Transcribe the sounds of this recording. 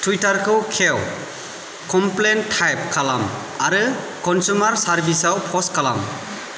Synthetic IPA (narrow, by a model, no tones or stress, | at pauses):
tʰwitaɾkʰɯwkʰew | kɔmplentʰːajp̚kʰalam | aɾɯ | kɔnsumaɾsaɾbisawpʰɔskʰala̰m